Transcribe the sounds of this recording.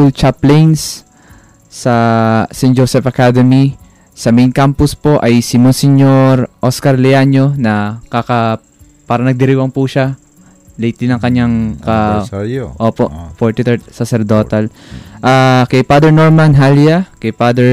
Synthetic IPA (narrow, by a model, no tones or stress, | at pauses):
ult͡ʃaplɛnsː | ɐsɛnd͡ʒosɛfɐkad̪ɛmi | sɐmɛjnkampʊspo̞ʔɐjsɪmɔnsɪɲoɾʔoskɐɾlɛjaɲo̞nɐkakɐ | paːɾɐnɐɡ̚d̪ɪɾiwɐŋpuʃa | lɛjt̪ɪnɐŋkɐɲːaŋkɐ | ʔoːpofoɹt̪ɪt̪ɛsɐsɛɾd̪o̞ːt̪ɐlʔakɐjpad̪ɛɹnoɹmanɦaljakɐjpad̪ɛɹ